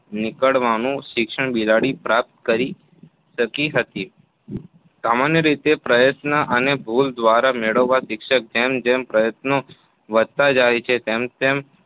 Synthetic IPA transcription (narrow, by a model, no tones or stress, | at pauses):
nɪkəɭʋanũʃɪkʃəɳbilaɽipɾap̚t̪kəɾi | ʃəkiɦət̪i | samanjəɾit̪epɾəjət̪nəʔənebʱuld̪ʋaɾameɭəʋːaʃɪkʃək̚d͡ʒemd͡ʒempɾəjət̪no | ʋəd̪̚t̪ad͡ʒajt͡ʃʰet̪emt̪em